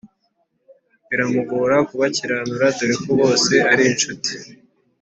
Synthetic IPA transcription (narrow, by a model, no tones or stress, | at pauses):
βiɾamuɡoɾakuβaciɾanuɾatuɾikoβo̞ːse̞aɾiːnʃuti̥